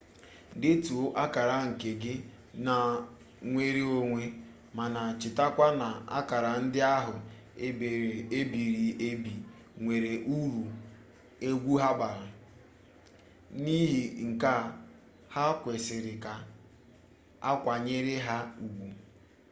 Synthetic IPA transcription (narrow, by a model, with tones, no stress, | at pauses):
dɪ˦tu˨˦ʔa˦ka˨ɾa˦ŋ̩˨ke˨ɡɪ˦ | na˨ | ŋʷe˦ɾi˦o˦ŋʷe˦ | ma˨na˨t͡ʃɪ˨ta˦kʷa˦na˨a̰˦ka˨ɾa˨n̩˦dɪ˦a˦ɦʊ˨ | e˦be˨e˦bi˨ɾi˨e˦bi˨ | ŋʷe˨ɾe˨ʔu˦ɾu˨ | e˦ɡʷu˦ɦa˦ba˨ɾa˨ | ni˦ɦi˨ŋ̩˨ka˦ | ha˦kʷe˨sɪ˨ɾɪ˨ka˨ | a˦kʷa˨ɲe˦ɾɪ˦ɦa˦u˨ɡʷu˨